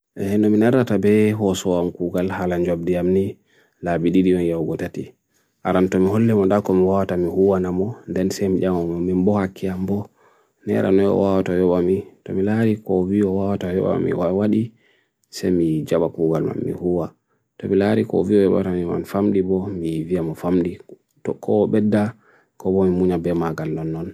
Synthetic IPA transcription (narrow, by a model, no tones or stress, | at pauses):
ʔɛɛnɔminaɾatabɛɦɔsɔwamkuɡalhalaɲd͡ʒɔb̚dijamni | labididimɔnjawɡɔtati | ʔaɾamtɔmiɦolːɛmɔndakɔmiwawatamihuwanamɔndɛnsɛmiɗamamɔmimbɔhakʰːiambɔ | nɛ̰ɾa̰nɔjɔ̰wawatajɔɓamitɔmilaɾikɔviɔwawatajɔ̰ɓa̰mḭwawaɗi | sɛjmid͡ʒaɓakuɡalma̰mːḭhuwa | tɔmilaɾikɔ̰viɔjɔɓa̰tamima̰nfamɗibɔmivijamɔfamɗi | tɔkʰɔɓɛdːa | kɔbɔmimuɲabɛmaɡalnɔnːɔn